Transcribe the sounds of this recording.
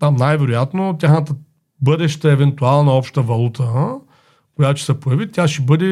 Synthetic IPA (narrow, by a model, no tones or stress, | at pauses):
t̪amnajvɛɾojat̪not̪ʲaxnət̪ə | bɤd̪ɛʃt̪əɛvɛnt̪ualˠnɐɔpʃt̪əvɐlˠut̪ʰə | koʊjat̪oʊʃɛ̥sɛpojɐvit̪ʲaʃɛbɤd̪ɛ